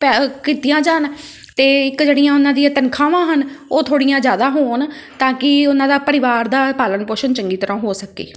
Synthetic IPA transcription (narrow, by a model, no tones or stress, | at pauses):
pːkiːt̪ijãːd͡ʒaːn | t̪eːɪkd͡ʒeːɽijãːʊnãːd̪iãːt̪ənkʰaːʋãːɦənoːt̪ʰoːɽĩːjãːd͡ʒjaːd̪aːɦoːnt̪ãːkɪʊnãːd̪aːpəɾɪʋaːɾd̪aːpaːlənpoːʃənt͡ʃəŋɡiːt̪əɾãːɦoːsəkḛː